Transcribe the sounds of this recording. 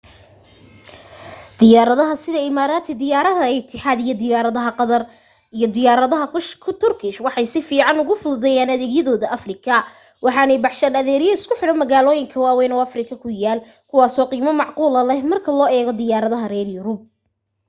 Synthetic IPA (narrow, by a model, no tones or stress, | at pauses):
d̪̥ɪjaːɾɐðɐɦɐsɪðɐɪmaːɾaːt̪ʰɪd̪ɪjaːɾɐðɐɪt̪ʰɪħaːd̪ijɔd̪ɪjaːɾɐðɐɦɐqðɐr | ijɔd̪ɪjaːɾɐðɐɦɐkʰʊt̪ʰʊrkʰɪʃwɑħɑjsɪfiːʕɑnʊɣʊfʊðʊðɛjaːnɐðɛːɡjɐðɔːðɐʔɐfrɪkʰɐ | wɑħɑːnɛjbɑħʃɐnɐðɛːɾɪjɐɪskʰʊħɪɽɔmɐɣaːlɔːjɪŋkʰɐwaːwɛjnɔɐfrɪkʰɐkʰʊjaːl | kʰʊwɑːsɔːqiːmɐmɑʕquːlɐlɛhmɐrkʰɐlɔːɛːɣɔd̪ɪjaːɾɐðɐɦɐrɛːrjʊɾʊb̚